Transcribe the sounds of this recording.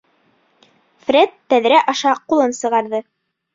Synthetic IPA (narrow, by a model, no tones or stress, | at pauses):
fɾʲet̪ːæðɾæʔɑʃɑqulˠɤnsɤ̆ʁɑɾðɤ